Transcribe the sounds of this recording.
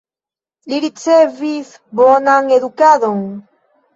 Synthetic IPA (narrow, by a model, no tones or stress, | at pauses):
liɾit͡seviθ | bonaŋeðukaðoŋ